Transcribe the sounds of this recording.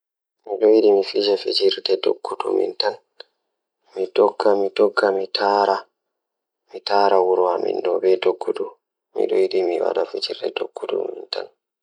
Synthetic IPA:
miɗɔjiɗimifid͡ʒafid͡ʒiɾdɛdo̰ɡːudumḭntan | midɔɡːamidɔɡːamitʰaːɾa | mitaːɾawuɾuwamḭndɔbɛdoɡːudu | mḭɗɔ̰jiɗimiwa̰ɗafid͡ʒiɾdɛdo̰ɡ̥ːudṵminta̰n

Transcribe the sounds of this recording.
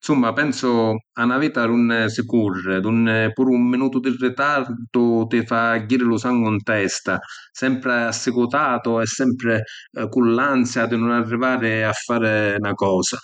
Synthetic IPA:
nsumːapɛnsʊanaviːt̪anunːsɪkurːɪd̪unːpuːɾumːinuːt̪ʊd̪ɪrːɪt̪ard̪ʊt̪ɪfaɟːiːɾɪlʊsaŋɡʊunt̪ɛst̪a | sɛmpɾɪasːɪkut̪aːt̪ʊɛsːɛmpɾɪ | kulːant̪sjad̪ɪnʊnarːivaːɾɪafːaːɾɪnakɔːsa

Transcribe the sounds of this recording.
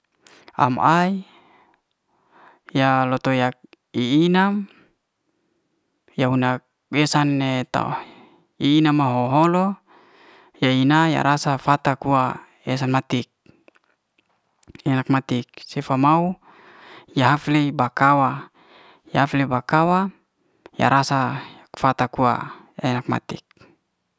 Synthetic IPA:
a̰mai | jalot̪ojak̚ | iːnam | jaunak | esanːet̪a̰ | iːnamaɦoɦolo | jainaja̰ɾasafat̪akua | esanmat̪ik̚ | enak̚mat̪ik̚sefamau | jaɦaflebakawa | jaaflebakawa | ja̰ɾʔasa | fat̪akua̰ja̰enak̚ma̰t̪ik̚

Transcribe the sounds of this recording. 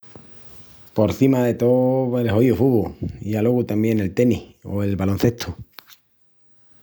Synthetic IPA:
po̞ɾθimaðe̞t̪oβelɦoiufuβuialoɣut̪ambje̞ne̞lt̪e̞niho̞̰e̞lβalonθe̞ht̪ʰu

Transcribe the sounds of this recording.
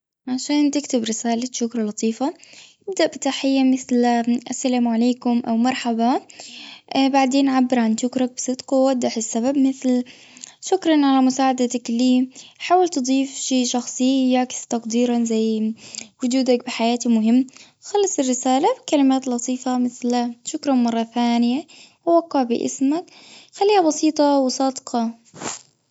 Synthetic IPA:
ʕaʃaːnt̪ɪkt̪ɪbɾɪsaːlaʃʊkɾˤɑlɑt̪ˤʰiːfa | ɪb̚d̪aʔbɪt̪aħɪjːamɪθlʔasːalaːmʕaleːkʊmʔawmɑɾˤħaba | baʕd̪eːnʕabːɪɾʕanʃʊkɾak̚bɪsˤɨd̪qɑwʔad̪ːaħɪsːababmɪθl | ʃʊkɾˤɑnʕalamʊsaːʕad̪at̪akliːħaːwalt̪ɨd̪ˤiːfʃiːʃɑxsˤɨːakst̪ɑqd̪iːɾanzajːwʊd͡ʒuːd̪akbɪħajaːt̪imʊɦɪmː | xɑlːɑsˤɪrːɪsaːlabɪkalɪmaːt̪lɑt̪ʰˤiːfamɪθlaʃʊkɾˤɑnmɑrˤːɑθaːnɪjawwaqːɑʕbɪ̰ʔɪ̰smakxalːiːhabɑsiːt̪ˤɑwsˤɑːd̪qɑ

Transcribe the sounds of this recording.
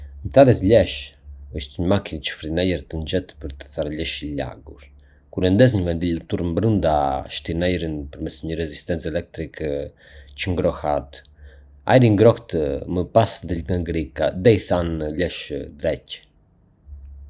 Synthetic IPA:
nθaɾɛsʎɛʃəʃt̪ɲəmakint͡ʃə̥fɾinɛjəɾt̪ənd͡ʒɛt̪pəɾt̪ə̥θaɾʎɛʃiʎa̰ɡuɾ | kuɾɛnd̪ɛs̬ɲəvɛnd̪ilat̪uɾmbɾənd̪aʃt̪inɛjɾinpəɾmɛsɲəɾɛzist̪ɛnt͡sɛlɛk̚t̪ɾik | t͡ʃəŋɡɾɔhat̪ | a̰jɾiŋɡɾɔht̪əməpasd̪əlɡaŋɡɾikaðɛiθanʎɛʃd̪ɾɛc

